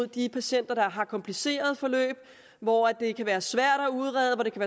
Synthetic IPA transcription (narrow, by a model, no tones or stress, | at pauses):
ð̰ˠd̥ipʰæɕen̰d̥ɐd̥ɑ̈ɦɑ̈kʰɒ̽mpʰlise̝̰ːɐð̞̩ˠfɒ̽lø̰ːb̥ | ʋɒæd̥e̝kʰæʋæːɐsʋæɐ̰ɾ̥æuðˠʁɛð̞ˠʋɒd̥e̝kʰæʋæː